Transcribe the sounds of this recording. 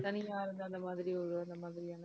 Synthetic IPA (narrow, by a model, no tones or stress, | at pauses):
t̪ɐnɪjaːɾɯnd̪ɯɐnd̪ɐmaːðɪɾiɔɾuɐnd̪ɐmaːðɪɾijaːnɐ